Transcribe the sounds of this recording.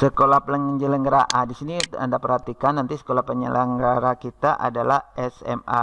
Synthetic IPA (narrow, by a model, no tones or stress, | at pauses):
səkolahpələŋəɲd͡ʒələŋɡəɾaʔadisinia̰ndapərhat̪ikanːant̪isə̥kolahpəɲə̰lʔəŋɡaɾakit̪aʔa̰dalahɛsɛ̰ma̰